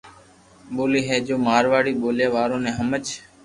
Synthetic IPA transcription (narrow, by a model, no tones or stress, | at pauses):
ɓoːliːɦɛːd͡ʒoːmaːɾʋaːɽiːɓoːljaːʋaːɾõːnẽːɦəmət͡ʃ